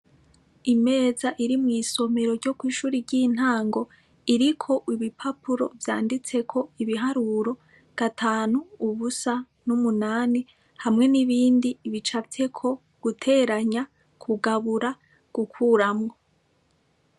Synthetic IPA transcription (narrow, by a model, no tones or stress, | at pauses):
ime̞ːzaʔiɾimŋiːso̞me̞ɾo̞ɾɟo̞kwiːʃuːɾiɾɟin̥haːŋɡo̞ | iɾikʰo̞ʔiβipʰapuɾo̞̰vjaːndit͡se̞kʰo̞iβiɦaɾuɾo̞ | ɡ̥atʰaːnuːβusa | numunaːni | hamŋe̞niβiːndiːβit͡ʃafe̞kʰo̞ | ɡ̥utʰe̞ːɾaɲa | kʰuɡaβuɾa | ɡ̥ukʰuɾamŋo̞